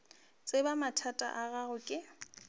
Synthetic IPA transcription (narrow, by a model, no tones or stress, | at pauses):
t͡sʼebamatʰatʼa̰ʔaɣaɣʊkʼɪ